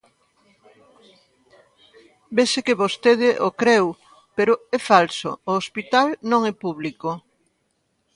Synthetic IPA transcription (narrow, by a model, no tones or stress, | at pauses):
besekeβost̪eð̞ɪʔokɾew | peɾʊɛfalso̰ːospit̪alnõŋɛpuβliko